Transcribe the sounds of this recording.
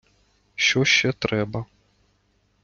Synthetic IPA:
ʃt͡ʃɔʃt͡ʃɛt̪ɾɛbɐ

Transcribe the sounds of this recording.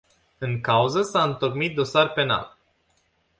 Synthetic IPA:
ɨŋkauzəsaɨnt̪okmit̪̚d̪o̞sarpe̞na̰l

